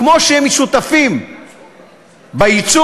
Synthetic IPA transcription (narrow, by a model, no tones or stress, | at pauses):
mo̞ʃeemeʃut̪afim | bajit͡su